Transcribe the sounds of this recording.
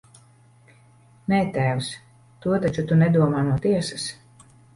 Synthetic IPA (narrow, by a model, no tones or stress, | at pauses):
nɛːt̪æːws | t̪uɔt̪at͡ʃut̪unɛd̪uɔmaːnuɔt̪iɛsas